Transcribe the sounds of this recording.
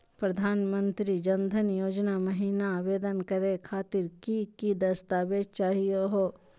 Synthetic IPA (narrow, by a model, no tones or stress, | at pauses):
pɾɐd̪ʱaːnmə̃nt̪ɾid͡ʒɐnd̪ʱənjoːd͡ʒnamɐɦiːnaːʋeːd̪ənkɐɾekʰaːt̪ɪɾkikid̪ɐst̪aːʋed͡ʒt͡ʃaːɦijoɦoː